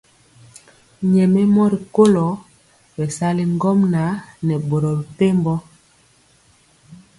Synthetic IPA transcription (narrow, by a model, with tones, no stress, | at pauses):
ɲɛ˨mɛ˦mɔ˦ɾi˨ko˦lɔ˨˦ | bɛ˨sa˦li˦ŋɡɔ˦mna˨˦nɛ˨bo˨ɾo˨ɾi˨te˦mbɔ˦